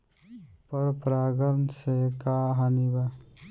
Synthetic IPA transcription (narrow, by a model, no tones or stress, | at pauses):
pəɾpɾaːɡəɾnsekaːɦaniba